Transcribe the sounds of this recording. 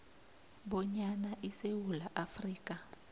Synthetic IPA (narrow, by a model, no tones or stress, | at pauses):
ɓɔɲanaʔisewulaʔafriːk̬ʼa